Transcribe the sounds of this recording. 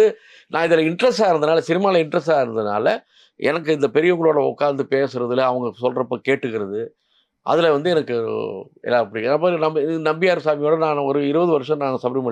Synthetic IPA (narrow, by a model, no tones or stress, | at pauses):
ɯ | nãːɪðɪlɐɪɳɖɾɐsaːɪɾɯnd̪ɐnaːlɐsɪnɪmaːɪlɐɪɳɖɾɐsaːɪɾɯnd̪ɐna̰ːlɐ | ɛ̰nɐkːɯɪnd̪ɐpɛɾɪjɐʊŋɡɐɭoːɽɐɔ̰kːaːnd̪ɯpeːsɯɾɐðɯlɐɐʋɐŋɡɐsɔlrɐpːoːkeːʈːɯkːɪɾɐðɯ | ʔɐ̰ðɪlɛʋɐnd̪ɯɛnɐkːɯ̰ | ɛ̰lːaːɪpːɐɽɪnɐpaːɾnɐmnɐmbɪjaːɾɯsaːmɪjoːɽɐnãːnʋɐɾɯɪɾɯbɐðɯʋɐɾɯʂɐ̃nãːŋɐsɐbɾmɐ